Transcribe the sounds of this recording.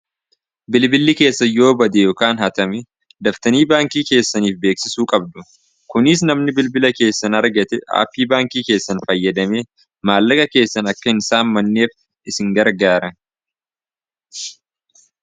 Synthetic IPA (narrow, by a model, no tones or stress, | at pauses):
bɪlbɪlːɪke̞ːsːɐjo̞ːbɐd̪ejoːkaːnhɐt̪ɐmɛ | d̪ɐft̪ɐniːbaːŋkiːke̞ːsːɐniːfbe̞ːksɪsuːkʼɐb̚d̪ʊ | kʊnɪs̬nɐmnɪbɪlbɪlɐke̞ːsːɐnɐɾɡɐt̪ɛa̰ːpːiːbaːŋkiːke̞ːsːɐnfɐjːɐd̪ɐmeː | maːlːɐkɐke̞ːsːɐnɐkːɐhɪnsaːnmɐnːe̞ːf | ɪsɪŋɡɐɾɡaːɾɐn